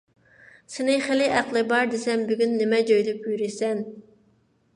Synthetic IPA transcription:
sɪnɪχelɪʔæqlˠɨbɑɾd̪esɛmbyɡʲynːɪmɛd͡ʒøjd̪ɪpyɾɪsɛn

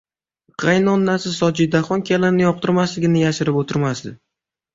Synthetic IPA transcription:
qʰɑjnɒnːasɪzːɒd͡ʒid̪aχɒnkʲʰalanɪjɒq̚t̪ʰɪɾmaslɪɡʲɪnɪjaʃɪɾɪpot̪ʰɪɾmasd̪ɪ̰

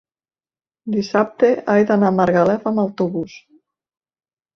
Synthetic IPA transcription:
d̪isap̚t̪eajðanamaɾɣalɛfamawt̪uβus

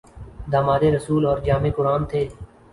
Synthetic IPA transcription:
d̪aːmaːd̪eːɾəsuːlɔːɾd͡ʒaːmeːkʊɾaːnt̪ʰeː

